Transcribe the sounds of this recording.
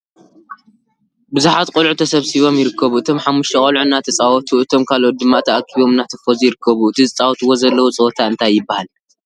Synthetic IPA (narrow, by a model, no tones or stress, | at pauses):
bɨzuħat̪qʼʊlʕut̪ʰɐsɐβsiβo̞mjɪɾɨkːɐβuɨt̪ʰo̞mħamːuʃt̪ʰɐkʼɐlʕunːat̪ʰɐt͡sʼawɔt̪ʰuʔɨt̪ʰo̞mkʰalʔot̪̚d̪ɨmːat̪ʰɐʔakʰːiβo̞mɨnːat̪ʰɐ̥fozjɪɾɨkʰːɐβuɨt̪ʰizɨt͡sʼawɔt̪ʰwozɐlːɐwot͡sʼɐwt̪ʰaɨnt̪ʰajːɪbːahal